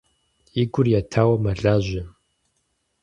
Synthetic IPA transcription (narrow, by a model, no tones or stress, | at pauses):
iɡʷʊrjatʰaːwɐmɐɮaːʑʷɪ